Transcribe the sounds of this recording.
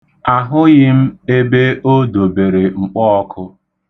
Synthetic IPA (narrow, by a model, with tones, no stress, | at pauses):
a˨ɦʊ˦ɣɪ˦m̩˦e˦be˦o˦do˨be˨ɾe˨ŋ͡m̩˨k͡pɔ˦ɔ˦kʰʊ˦